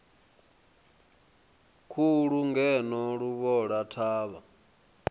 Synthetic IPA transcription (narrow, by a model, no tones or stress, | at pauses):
kʰuɺuŋɡɛnɔɺuβɔɺatʰaːβa